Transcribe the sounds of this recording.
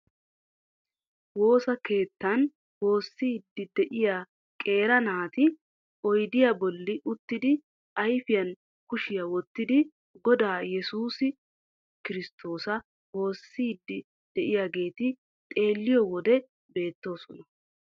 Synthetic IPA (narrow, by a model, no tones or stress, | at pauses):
wo̞ːsɐke̞ːt̪ːɐn | wo̞ːsːiːd̪ːɪd̪ɛʔɪjaː | kʼe̞ːɾɐnaːt̪ɪ | ʔɔjd̪ɪjɐbɔlːɪʔʊt̪ːɪd̪ɪ | ɐjfɪjɐn | kʊʃɪjɐwɔt̪ːɪd̪ɪ | ɡɔd̪aːjɛsuːsɪ | kɪɾɪst̪ʰo̞ːsɐ | wo̞ːsːiːd̪ːɪ | d̪̥ɛʔɪjaɡe̞ːt̪ɪ | t̪ʼe̞ːlːɪjɔwɔd̪ɛ | be̞ːt̪ːo̞ːsɔnɐ